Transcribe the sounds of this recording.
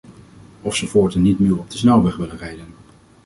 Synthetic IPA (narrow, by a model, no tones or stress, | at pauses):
ɔfsovoːɹtənːitmywɔp̚dəsnɛlˠʋɛχʋɪlənrejdən